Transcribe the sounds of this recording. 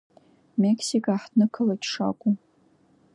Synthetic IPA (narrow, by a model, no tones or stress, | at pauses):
mekʰsikʼaħdnɨkʰɨlatʂa̰kʷʼu